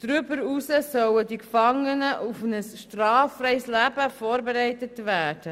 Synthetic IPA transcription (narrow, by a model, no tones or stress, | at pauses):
d̥ɾybəɾusəsœwədikfɑŋənəʔufnəsʃtrɑːfrɛɪslæbəfoːɾbeɾɛɪtətvæːd̥ə